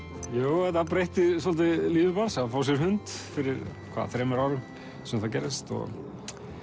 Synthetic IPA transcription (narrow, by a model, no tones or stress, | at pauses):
joːwɛt̪apɾejht̪ɪs̬ɔlt̪ɪliːðɪpaɾsaðfaːws̬jɛɾ̥ɦʏnt̪fɪɾɪɾ̥kʰva̰ðaθɾɛːmɛɾaːwɾʏm | sɛmθawcɛːɾɪst̪ɔ̰ɣ